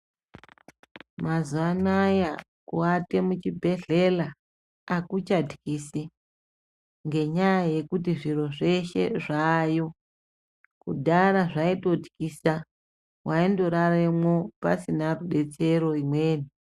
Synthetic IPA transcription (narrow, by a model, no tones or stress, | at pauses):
mazuanaja | kuate̞mut͡ʃibʱe̞ɮe̞laː | kut͡ʃadʱikisi | ŋɡe̞ɲajaje̞kut̬iʐiro̞ʐe̞ʃe̞̰ʐaːjo̞ | kṵdʱaɾaʐaito̞dʱikisa | wʔaindo̞ɾaremwo̞pa̰sinaruɗe̞t͡se̞ɾo̞imwe̞ːni